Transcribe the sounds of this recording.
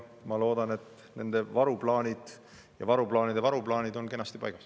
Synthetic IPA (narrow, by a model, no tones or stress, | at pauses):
mɑlo̞ːd̪̥ɑnet̪ | ne̞̰nd̪̥e̞vɑɾuplɑːnʲid̪̥ | jɑ̰vɑɾuplɑːnid̪e̞vɑɾuplɑːnʲid̪̥o̞nke̞nːɑst̪ipɑ̰jɡ̥ɑs